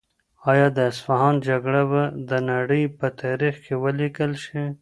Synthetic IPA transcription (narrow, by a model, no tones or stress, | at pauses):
ɑjɑd̪əɪsfaɦɑnd͡ʒaɡɽabad̪ənaɽəjpət̪ʰɑɾixkʰewəlikəlʃi